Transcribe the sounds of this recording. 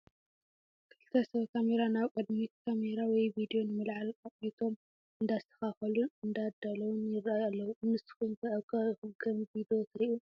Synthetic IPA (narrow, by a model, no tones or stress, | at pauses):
kʰɨ̥lt̪ʰɐsɐβkʰameɾanaβkʼɐd̪mikʰameɾawɔjvid̪io̞nɨmɨlʕalakʼnit̪ʰo̞m | ɨnd̪ast̪ʰɐ̥xaxɐlunɨnd̪ad̪alɐwunjɪɾajalːɐwunɨsɨ̥xunk̪ʰɐʔɐβkʰɐɡɐmbid̪ot̪ʰɨɾiʔu